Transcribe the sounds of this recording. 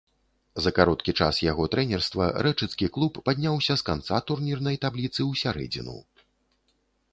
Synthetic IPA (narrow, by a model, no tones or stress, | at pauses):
zɐkaɾɔt̪kʲit͡ʂa̰sjaɣɔt̪ɾɛnʲɛrst̪vɐ̰ɾɛt͡ʂɨt̪skʲiklˠupːad̪ʲnʲawsʲɐskant̪sat̪urnʲirnɐjt̪ablʲit̪sɨwsʲaɾɛ̰d͡zʲḭnṵ